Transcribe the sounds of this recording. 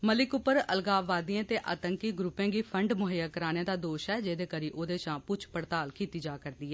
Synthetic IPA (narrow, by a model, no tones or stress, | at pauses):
məlɪkʊpːəɾə̰lɡaːʋːaːd̪iãːt̪eːʔa̰ːt̪əŋkiɡɾupẽːɡiːpʰəɳɖmʊɦəjakəɾaːnjãːd̪aːd̪oːʃɛːd͡ʒeːd̪eːkəɾiːʔoːd̪eːʃãːpʊt͡ʃʰpəɽt̪aːlkiːt̪iːd͡ʒaːkəɾd̪iːɛː